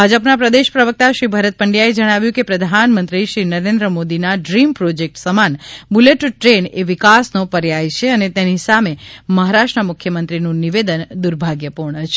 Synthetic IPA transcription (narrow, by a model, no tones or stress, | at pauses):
bʱad͡ʒəpnapɾəd̪eʃpɾəʋək̚t̪aʃɾibʱəɾət̪̚pəɳɖjaed͡ʒəɽ̃aʋjũkepɾəd̪ʱanmə̃nt̪ɾiʃɾinəɾend̪ɾəmod̪inaɖɾimpɾod͡ʒek̚ʈsəmanbuleʈʈɾeneʋikasnopəɾjajt͡ʃʰeənet̪enisameməɦaɾaʃʈɾəmʊkʰjəmənt̪ɾinũniʋed̪ənd̪uɾbʱaɡjəpuɾɳət͡ʃʰe